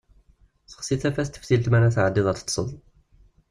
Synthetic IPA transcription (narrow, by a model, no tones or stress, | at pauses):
θə̥χsiθæfæst̪ə̥ft̪ilt̪mænæθʕəd̪ːiðˤɑɾt̪ːˤsˤə̰ðˤ